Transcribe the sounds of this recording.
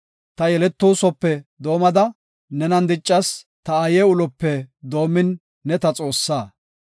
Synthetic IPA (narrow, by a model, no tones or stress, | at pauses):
t̪ɐjɛlɛt̪ːuːsɔpːɛd̪o̞ːmɐd̪ɐ | nɛnɐnd̪ɪt͡ʃʼːɐs | t̪ɐɐjeːʊlɔpːɛd̪o̞ːmːɪnː | ɛt̪ɐt͡sʼo̞ːsːaː